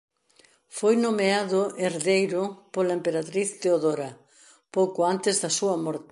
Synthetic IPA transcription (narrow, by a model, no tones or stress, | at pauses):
fojnomeaðʊeɾðejɾʊpolɐempeɾat̪ɾiθd̪eoðoɾɐ | powkʊant̪ɪzðɐsuɐmɔɾt̪